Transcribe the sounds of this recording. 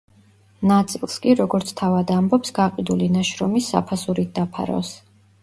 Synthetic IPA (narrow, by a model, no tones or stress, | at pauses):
nat̪sʼilˠskʼiɾɔɡɔɾt̪sʰt̪ʰavad̪ambɔpsɡaqʼid̪ulinaʃɾɔmisːa̰pʰasuɾit̪̚d̪apʰa̰ɾɔ̰s